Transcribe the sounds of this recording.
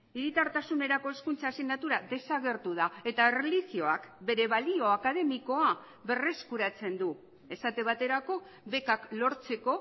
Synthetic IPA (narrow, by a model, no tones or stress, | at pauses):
iɾit̪aɾt̪asune̞ɾako̞e̞skunt͡sasiɣnat̪uɾaðe̞saɣe̞ɾt̪uð̞ae̞t̪aerelisio̞akbe̞ɾe̞βalio̞akað̞e̞miko̞a | βe̞re̞skuɾat͡se̞nd̪u | e̞sat̪e̞βat̪e̞ɾako̞ | βe̞kaklo̞ɾt͡se̞ko̞